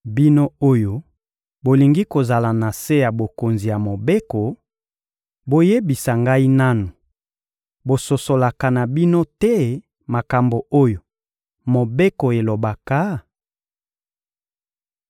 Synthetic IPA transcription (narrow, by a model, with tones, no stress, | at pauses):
bi˦no˦o˦jo˦ | bo˨li˨ŋɡi˦ko˨za˨la˨na˨se˦ja˨bo˨ko˨nzi˨ja˨mo˨be˦ko˨ | bo˨je˦bi˨sa˨ŋɡa˦i˦na˦nu˨ | bo˨so˨so˨la˨ka˨na˨bi˦no˦tɛ˦ | ma˨ka˨mbo˨o˦jo˨ | mo˨be˦ko˨e˨lo˨ba˨ka˨˦